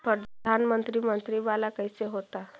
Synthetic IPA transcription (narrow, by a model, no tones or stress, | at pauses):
pɾəd̪ʱanmənt̪ɾiːmənt̪ɾiːʋalakəjseɦot̪a